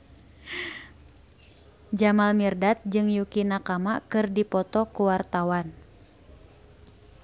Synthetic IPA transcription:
d͡ʒamalmirdat̪̚d͡ʒɨŋjukinakamakɨrdipɔt̪ɔkuwart̪awan

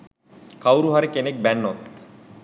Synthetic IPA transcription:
kawɾuɦaɾekenek̚bɛnːot̪

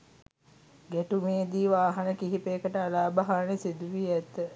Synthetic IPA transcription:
ɡæʈumeːd̪iːʋaːɦanəkiɦipeːkəʈəalaːbəɦaːnesid̪uʋiæt̪ːə

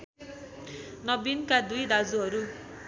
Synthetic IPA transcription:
nʌbinkad̪ujd̪ad͡zuɦʌɾu

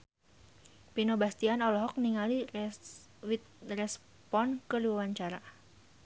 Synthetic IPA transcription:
pinobast̪ianɔlɔɦɔk̚niŋali | wit̪rɛs | pɔnkəluawaɲt͡ʃaɾa

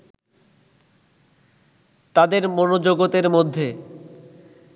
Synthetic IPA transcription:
t̪ad̪eɾmonod͡ʑoɡot̪eɾmod̪ʱːe

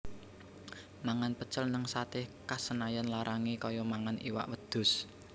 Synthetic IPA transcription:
maŋanpət͡ʃəlnəŋsat̪ɪhkasənajanlaɾʔaŋekɔjɔmaŋaniwa̰ʔwəd̪̥ʊ̤s

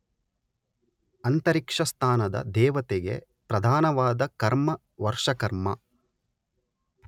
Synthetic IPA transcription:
ɐnt̪ɐɾikʂɐst̪ʰaːnɐd̪ɐ̰d̪ɛːʋɐt̪eɡe̞̰ | pɾɐd̪ʱaːnɐʋaːd̪ɐkɐɾmɐ | ʋɐɾʂɐkɐɾmɐ

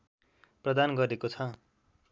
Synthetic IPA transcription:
prʌd̪anɡʌɾekot͡sʰʌ

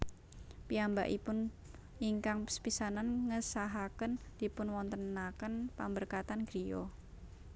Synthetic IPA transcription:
piamba̰ʔipʊn | iŋkaŋspisananŋəsaɦakənd̪̥i̤pʊnwɔnt̪ənːakənpambərkat̪anɡ̥ɾio̰

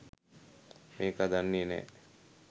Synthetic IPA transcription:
meːkad̪anːinɛ̰

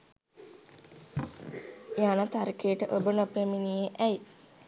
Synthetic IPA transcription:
eanət̪aɾikejəʈəʔobənopɾeminijeʔæj

